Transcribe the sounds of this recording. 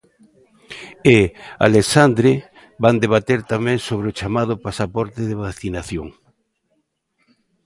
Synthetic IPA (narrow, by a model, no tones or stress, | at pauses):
ea̰lesand̪ɾe | band̪eβ̞at̪eɾt̪amɛ̃ŋsoβɾeot͡ʃamað̞ʊpasapɔɾt̪ɪðeβaθinaθjoŋ